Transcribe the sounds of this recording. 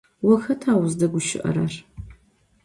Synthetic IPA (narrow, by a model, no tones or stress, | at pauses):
wɔxɐtʰaːwʊzdɐɡʷʊʃɪ̰ʔɐ̰ɾɐr